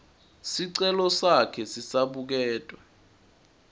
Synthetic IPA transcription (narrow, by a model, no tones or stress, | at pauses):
siǀɛlɔsakʰɛsisaɓuk̬ɛːtʼwa